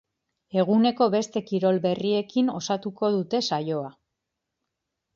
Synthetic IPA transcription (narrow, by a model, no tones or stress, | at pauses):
e̞ɣ̞une̞ko̞βe̞st̪e̞kiɾo̞lbe̞rie̞kino̞sat̪uko̞ðut̪e̞sajo̞a